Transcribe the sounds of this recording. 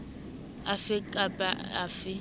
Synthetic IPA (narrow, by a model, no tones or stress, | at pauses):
afɪkʼapʼaafɪ